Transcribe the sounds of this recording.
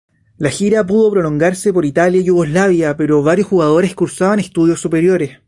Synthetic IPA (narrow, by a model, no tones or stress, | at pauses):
laxiɾapuð̞o̞pɾo̞lo̞ŋɡaɾsepo̞ɾit̪aljaijuɣo̞slaβjape̞ɾo̞βaɾjosxuɣað̞o̞ɾe̞skuɾsaβanest̪uðjo̞sːupe̞ɾjo̞ɾes